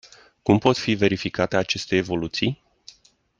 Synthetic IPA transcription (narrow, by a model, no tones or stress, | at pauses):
kumpo̞t̪five̞ɾifikat̪eat͡ʃe̞st̪e̞ːvo̞lut̪sij